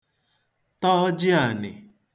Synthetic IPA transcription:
tɔ˦d͡ʒɪ˦a˨nɪ̰˨

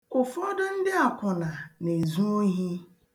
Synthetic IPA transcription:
kʊ˨fʊ˨˦ɔ˦dʊ˦n̩˦dɪ˦a˨kʷʊ˨na˨ne˨zũ˦o˦ɦi˦

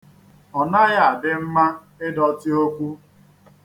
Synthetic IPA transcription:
ɔ˨na˦ja˨a˨bɪ˦m̩˦ma˦ | ɪ˦dɔ˨tɪ˦o˦kʷu˦

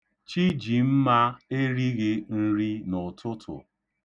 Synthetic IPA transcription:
t͡ʃi˦d͡ʒi˨m̩˦ma˦e˦ɾi˦ɣɪ˦n̩˦ɾi˦nʊ˨tʰʊ˦tʰʊ̰˨

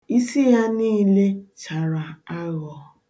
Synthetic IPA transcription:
i˦si˦ja˦niː˦le˦t͡ʃa˨ɾa˨a˦ɣɔ˨

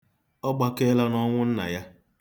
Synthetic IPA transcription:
ɔ˦ɡ͡ba˦ke˦la˦nɔ˦ŋʷʊ˦n̩˦na̰˨ja˦

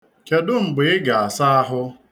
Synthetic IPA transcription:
ke˨dʊ˦ŋ͡m̩˨ɡ͡bɪ˨ɪ˦ɡa˨a˨sa˦a˦ɦʊ˦

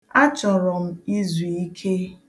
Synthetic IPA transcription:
a˦t͡ʃɔ˨ɾɔ˨m̩˦i˦zu˨i˦kʰe˦

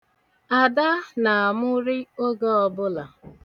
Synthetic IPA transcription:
a˨da˦na˨a˨mʊ˦ɾɪ˦o˦ɡɔ˦ɔ˦bʊ˦la˨

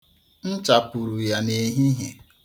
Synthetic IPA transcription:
n̩˦t͡ʃa˨pu˨ɾu˨ja˨ne˨ɦi˦ɦe˨

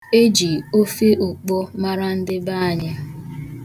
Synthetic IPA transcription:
e˦d͡ʒi˨o˦fe˦ʔo˨k͡pɔ˦ma˦ɾa˦n̩˦dɪ˦ba˦a˨ɲɪ˦

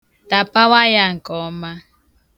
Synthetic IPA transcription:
ta˨pa˦wa˦ja˨ŋ̩˨kɔ˨˦ma˦

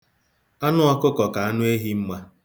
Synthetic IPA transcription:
a˦nʊ˦ɔ˦kʊ˦kɔ˨ka˨a˦nʊ˦e˦ɦi˦m̩˦ma˦

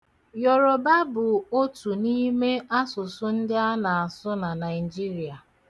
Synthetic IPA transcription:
jɔ˨ɾɔ˨ba˦bʊ˨o˦tu˨ni˦me˦a˦sʊ˨sʊ˦n̩˦dɪ˦a˦na˨a˨sʊ˦na˨na˨ɪ˨d͡ʒi˦ɾi˨a˨

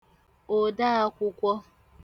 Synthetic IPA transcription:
o˨da˦a˦kʷʊ˦kʷɔ˦

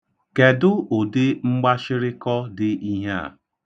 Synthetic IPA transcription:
ke˨dʊ˦o˨dɪ˦ŋ͡m̩˦ɡ͡ba˦ʃɪ˦ɾɪ˦kɔ˦dɪ˦i˦ɦe˦a̰˨

